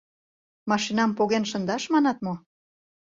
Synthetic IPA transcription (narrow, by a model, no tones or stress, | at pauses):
mɑʃinɑmpoɣenʃə̆nd̪ɑʃmɑnɑt̪mo